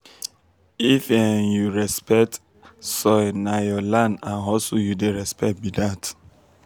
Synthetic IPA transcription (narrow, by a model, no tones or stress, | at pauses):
ifɛnjuɹɛspɛk̚t | sɔnajɔlãndãnɦɔsujudeɹɛspɛk̚t̚bidat